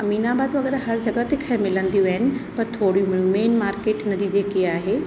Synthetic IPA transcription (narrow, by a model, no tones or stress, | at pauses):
ɐmiːnabaːd̪ʋɐɡɛːɾɦɐɾd͡ʑɐɡət̪ekʰɐmɪlə̃nd̪ijuʋɐɦɪnɪ̆pɐɾt̪ʰoːɽimumeːnmaːɾkeːʈnɐd̪id͡ʑeːkiaːɦeː